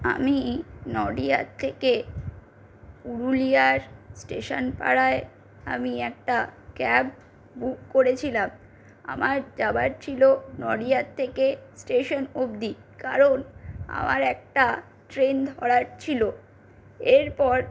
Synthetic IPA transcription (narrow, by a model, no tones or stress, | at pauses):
a̰minɔɖiat̚t̪ʰːeke | puɾulijaɾsʈeʃonpa̰ɾae | a̰miɛk̚ʈakɛb | bukkoɾet͡ɕʰilam | a̰maɾd͡ʑabaɾt͡ɕʰilonɔɖijat̚t̪ʰːekesʈeʃonobd̪ikaɾona̰maɾɛk̚ʈa | ʈɾend̪ʱɔɽaɾt͡ɕʰilo | eɾpɔɾ